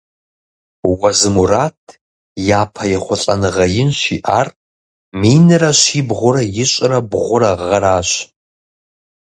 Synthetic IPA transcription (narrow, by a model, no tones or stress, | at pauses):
wɐzɨmuraːtʰ | jaːpʰɐjɛχʷʊɬʼɐ̰nɨʁɐjɪnʃḭːʔaːr | miːnɨrɐʃiːbʁʷʊɾɐjɪɕʼɾɐbʁʷʊɾɐʁɐɾaːɕ